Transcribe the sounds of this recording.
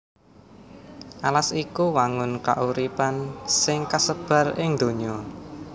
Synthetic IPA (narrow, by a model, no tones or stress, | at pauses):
ʔalasikuwaŋʊnka̰ʔuɾipansɪŋkasəb̥ä̤rɪŋd̪̥o̤ɲɔ